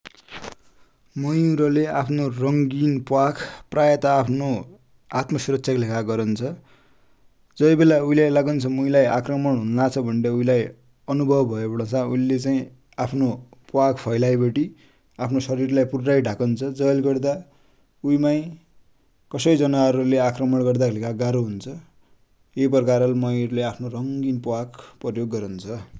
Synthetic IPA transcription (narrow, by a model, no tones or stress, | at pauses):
mʌjuɾʌleapʰnorʌŋɡinpwakʰprajat̪aːpʰno | at̪mʌsuɾʌtsʰjaklekʰaɡʌɾʌnt͡sʰʌ | d͡zʌjbelauilajlaɡʌnt͡sʰʌmujlajakrʌmʌɳɦunlat͡sʰʌbʱʌɳɖeuilaj | ʌnubʱʌbbʱʌjebʌɽʌsauilet͡saĩ | apʰnopwaɡpʰʌjlajbʌʈi | apʰnosʌɾirlajpurʈajɖʱakʌnt͡sʰʌd͡zʌlɡʌrd̪a | ujmaj | kʌsʌjd͡zʌnaɦʌɾuleakrʌmʌɽɡʌrd̪akʰelikaɡaɾoɦunt͡sʰʌ | ep̬rʌkaɾʌlmʌjʌɾuleapʰnorʌŋɡinpwaɡpʌrjoɡːʌɾʌnt͡sʰʌ